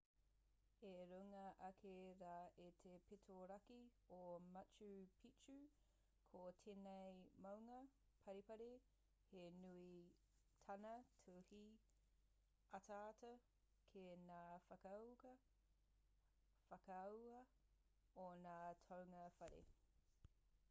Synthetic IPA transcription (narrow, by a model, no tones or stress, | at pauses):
eɾuŋɐʔɐkʰeɾaːetʰepetʰoɾɐkiomɐt͡ʃupʰit͡ʃu | kʰotʰenejmɐwŋɐ | pʰɐɾipɐɾi | henui | tʰɐnɐtʰuhi | ɐtʰaːtɐ | kʰenaːfɐkɐwkɐ | fɐkɐwɐ | onaːtʰɐwŋɐfɐɾḛ